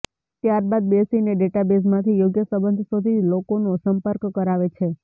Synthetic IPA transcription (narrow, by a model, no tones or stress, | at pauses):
t̪jaɾbad̪̚besineɖeʈabes̬mãt̪ʰijoɡjəsəbənd̪ʱsod̪ʱilokonosəmpəɾkkəɾaʋet͡ʃʰe